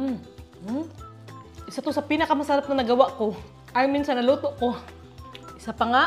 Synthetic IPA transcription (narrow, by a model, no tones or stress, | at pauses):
ʔɪsat̪osɐpinɐkɐmɐsaɾap̚nɐnɐɡɐwaʔko | ʔajminsanɐluːt̪oʔko | ʔɪsapɐŋa